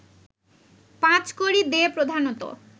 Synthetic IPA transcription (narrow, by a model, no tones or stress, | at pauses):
pãt͡ɕkoɾid̪eepɾod̪ʱanot̪o̰